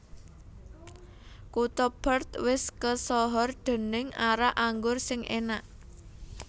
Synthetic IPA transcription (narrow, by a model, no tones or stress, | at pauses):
kut̪ɔb̥ərt̪wɪskəsɔɦɔrɖ̪̥ə̤nɪŋaɾaʔaŋɡʊrsɪŋʔḛnaʔ